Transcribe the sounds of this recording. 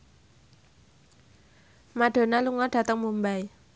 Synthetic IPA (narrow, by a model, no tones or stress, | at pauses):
maɖ̥o̤naluŋɔɖ̥ä̤t̪əŋmumbaj